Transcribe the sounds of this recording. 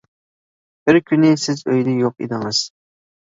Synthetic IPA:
b̥ɪɾkʲʰynɪsɪzøjd̪ɛjoqḭd̪ɪŋɨz̥

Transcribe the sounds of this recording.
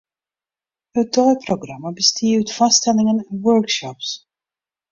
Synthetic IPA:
ɦət̚dɔjproɡrɑmabəstʰiːwtfɑstɛlɪŋənɛnwœɹkʃɔps

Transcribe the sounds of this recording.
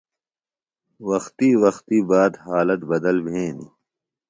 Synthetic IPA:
wɐxt̪iwɐxt̪iːbaːd̪haːlɐt̪bɐd̪ɐlbʱẽːnḭ

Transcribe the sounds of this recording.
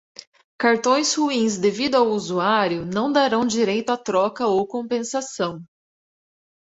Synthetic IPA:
kaɾt̪õj̃shuĩzd̪evid̪ʊawuzuaɾjʊnɐ̃w̃d̪aɾɐ̃w̃d͡ʒiɾejt̪ʊat̪ɾɔkɐowkõpẽsasɐ̃w̃

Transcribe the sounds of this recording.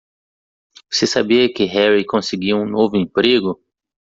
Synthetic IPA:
vosesabiɐkɪɦɛɾikõsɪɡiwũnovʊẽpɾeɡʊ

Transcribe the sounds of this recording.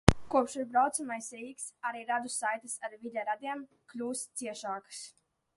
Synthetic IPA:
kuɔpʃiɾbɾawt̪samajsɾiːksaɾiːɾad̪usajt̪ɨsaɾvilʲaɾad̪iɛm | klʲuːst̪siɛʃaːkɨ̥s

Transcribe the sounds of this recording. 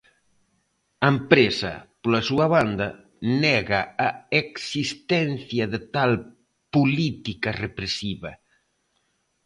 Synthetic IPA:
ɐempɾesɐ̰polɐsuɐβand̪ɐ | nɛɣɐːeksist̪ɛnθjɐðɪt̪al | pulit̪ikɐrepɾesiβɐ

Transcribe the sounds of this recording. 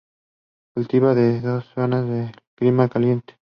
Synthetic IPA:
kult̪iβaðeðo̞sːonazðekɾimakalje̞nt̪e̥

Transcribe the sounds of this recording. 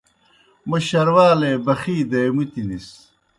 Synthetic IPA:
mɐɕɐɾwaːlebɐxiːd̪ɐjmut̪inis

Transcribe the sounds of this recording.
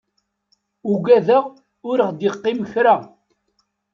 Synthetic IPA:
uɡʷæðəʁ | ʊɾəχd̪iqːiməçɾa

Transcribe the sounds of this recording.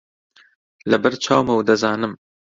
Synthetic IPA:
lɐbɨɾt͡ʃʰɑːwmɐwd̪ɐzɑːnɨm

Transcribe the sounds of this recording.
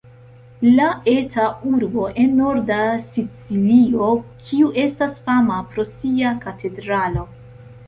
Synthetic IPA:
lae̞tauɾbo̞ʔe̞nːo̞ɾdasit͡silio̞kʰiuʔe̞stasfamapɾo̞siakatʰe̞dɾalo̞

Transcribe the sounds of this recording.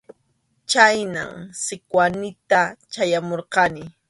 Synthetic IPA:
t͡ʃajna̰msɪkwanɪt̪at͡ʃajamoɾqɑnɪ

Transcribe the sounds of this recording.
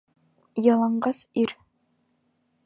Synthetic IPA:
jɑlˠɑɴɢɑsiɾ

